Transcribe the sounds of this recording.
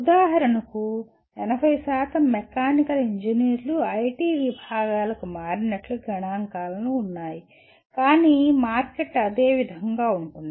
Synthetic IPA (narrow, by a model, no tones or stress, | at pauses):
ud̪aːɦɐɾɐnɐku | ɛnɐbʱɐjsaːt̪ɐmːɛkaːnikɐliɲd͡ʒiniːɾluɐjʈiːʋibʱaːɡaːlɐkumaːɾinɐʈluɡɐɳaːŋkaːlɐnuːnːaːji | kaːniːmaːɾkeʈːɐd̪eːʋid̪ʱɐŋɡaːuɳʈund̪i